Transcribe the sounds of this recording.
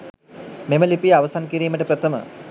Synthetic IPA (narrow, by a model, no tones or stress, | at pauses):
meməlipijaʋəsankiɾiːməʈəpɾət̪ʰəmə̰